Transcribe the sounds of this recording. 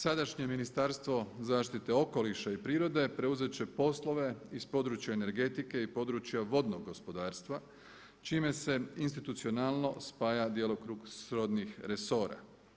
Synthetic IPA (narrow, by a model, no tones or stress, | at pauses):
sad̪aʃɲe̞minist̪aɾst̪ʋo̞zaːʃt̪it̪e̞o̞ko̞liʃaipɾiːɾo̞d̪e̞pɾe̞uze̞t͡ɕe̞po̞slo̞ʋe̞ispo̞d̪ɾuːt͡ʃjaene̞ɾɡe̞t̪ike̞ipo̞d̪ɾuːt͡ɕjaʋo̞d̪noɡːo̞spo̞d̪aːɾst̪ʋa | t͡ʃiːme̞se̞inst̪it̪ut̪sio̞nalˠno̞spaːjad̪jelo̞kɾuːɡsɾo̞d̪nixɾe̞so̞ːɾa̰